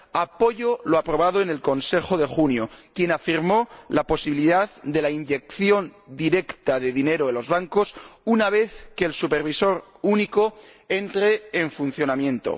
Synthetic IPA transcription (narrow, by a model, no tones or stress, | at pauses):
apo̞ʝo̞loapɾo̞β̞aðoene̞lko̞nse̞xo̞ðe̞xunjokje̞nafiɾmo̞lapo̞siβiliðaððe̞lainʎe̞kθjo̞nd̪iɾe̞kt̪aðe̞ðine̞ɾoelo̞zβaŋko̞sunaβ̞e̞θkeːlsupe̞ɾβ̞iso̞ɾ | uniko̞e̞nt̪ɾeːɱfunθjo̞namjẽ̞nt̪o̞̰